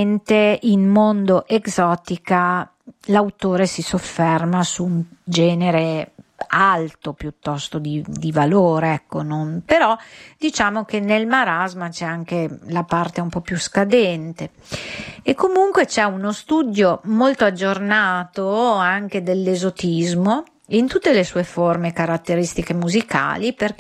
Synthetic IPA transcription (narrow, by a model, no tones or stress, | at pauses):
nt̪einmond̪oʔeɡzɔːt̪ika | lawt̪oːɾesisofːermasuːnd͡ʒɛːneɾe | alt̪opjut̪ːɔst̪od̪id̪ivaloːɾeɛkːononpeɾɔd̪it͡ʃaːmok̟enelmaɾazmat͡ʃɛaŋk̟elapart̪eumpɔpːjuskad̪ɛnt̪e | ekːomuŋkwet͡ʃɛunost̪ud̪jomolt̪oad͡ʒːornaːt̪oaŋk̟ed̪elːezot̪izmo | int̪ut̪ːelesuːeformekaɾat̪ːeɾist̪ikemuzika̰ːliper